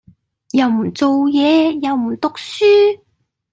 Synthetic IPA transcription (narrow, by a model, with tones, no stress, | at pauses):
jɐ˨˧wmu˨˩nt͡so˨˧wjɛː˨˧jɐ˨˧wmuː˨˩nt̪ʊ˨k̚syː˥